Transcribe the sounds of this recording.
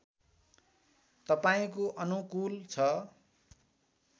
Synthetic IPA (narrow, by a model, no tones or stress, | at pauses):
t̪ʌpaĩkoʔʌnukult͡sʰʌ